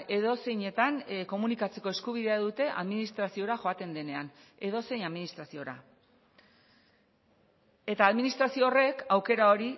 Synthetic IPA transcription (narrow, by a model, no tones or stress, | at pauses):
e̞ðo̞se̞jɲe̞t̪anko̞munikat͡se̞ko̞e̞skuβ̞iðe̞aðut̪e̞ʔa̰ðminist̪ɾasio̞ɾaʝo̞at̪e̞nd̪e̞ne̞an | e̞ðo̞se̞jaðminist̪ɾasio̞ɾa̰ | e̞t̪aːðminist̪ɾasio̞ːre̞kawke̞ɾao̞ɾi